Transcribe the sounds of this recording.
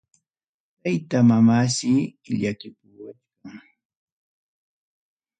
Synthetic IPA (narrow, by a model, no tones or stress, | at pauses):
t̪ajt̪amamasɪʎakɪpuwat͡ʃkaŋ